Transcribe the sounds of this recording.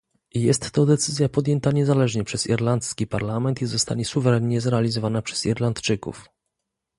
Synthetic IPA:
jɛst̪ːɔd̪ɛt̪sɘzʲjapɔd̪jɛnt̪aɲɛzalɛʐɲɛpʂɛz̥ḭɾlant̪skʲipaɾlamɛnt̪izɔst̪aɲɛsuvɛɾɛnɲɛzɾɛalʲizɔvanapʂɛ̥zḭɾlant̪t͡ʂɘkṵf

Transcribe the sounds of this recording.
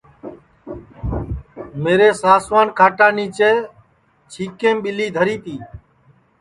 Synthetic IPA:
meːɾeːsaːsʋaːnkʰaːʈaːniːt͡ʃeː | t͡ʃʰiːkẽːmɓɪliːd̪ʱəɾiːt̪iː

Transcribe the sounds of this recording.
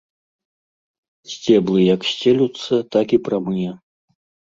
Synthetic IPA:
sʲt͡sʲɛblˠɨjɐksʲt͡sʲelʲut̪sːɐt̪akipɾamɨjɛ

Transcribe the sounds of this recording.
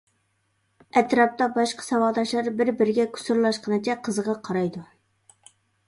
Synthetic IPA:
ɛt̪ɾɑp̚t̪ɑbɑʃqɑ̥sɑwɑʁd̪ɑʃlˠɑɾbɪɾbɪɾɪɡʲɛkʲʰu̥suɾlˠɑʃqʰənɨt͡ʃʰɛqʰəzəʁɑqʰɑɾɑjd̪u

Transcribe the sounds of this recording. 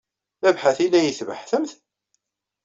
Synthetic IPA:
θævħaθilːæjəθvə̰ħθəmθ

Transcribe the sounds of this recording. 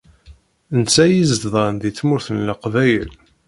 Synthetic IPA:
nt͡sːæjizd̪ðˤɑnðit͡sːmʊɾθənləqvæjəl

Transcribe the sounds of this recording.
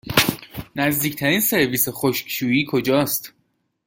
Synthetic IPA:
næzd̪iːcʰt̪ʰæɾiːnse̞ɾviːsexoʃkʃuːjiːkʰo̞d͡ʒɒːst̪

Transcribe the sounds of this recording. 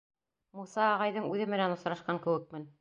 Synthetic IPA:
musɑːʁɑjðɤɴʉðɘmɘ̆nænŏsɾɑʃqɑŋkɘ̆wɘ̆k̚mɘn

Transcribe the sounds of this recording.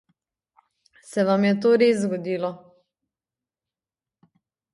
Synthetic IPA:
sɛʋamjɛt̪oːɾeszɡɔd̪iːlɔ

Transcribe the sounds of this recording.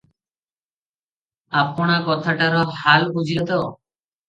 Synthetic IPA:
apɔɽ̃akɔt̪ʰaʈaɾɔhalbud͡ʑiɾɔt̪ɔ

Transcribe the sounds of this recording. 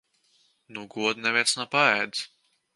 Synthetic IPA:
nuɡuɔd̪nɛvʲɛt̪snapaɛd̪z

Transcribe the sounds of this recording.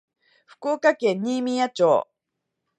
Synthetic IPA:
ɸɯ̥koːkakẽ̞ɲːimʲĩjat͡ɕo̰ː

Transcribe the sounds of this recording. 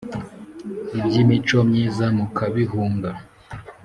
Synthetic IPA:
ibɟimit͡ʃomɲiːzamukʰaβiɦuːŋɡa

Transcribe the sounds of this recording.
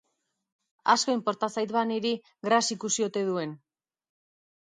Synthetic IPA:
a̰sko̞impo̞ɾt̪asajt̪βaneɾi | ɡɾasikusio̞t̪e̞ðue̞n

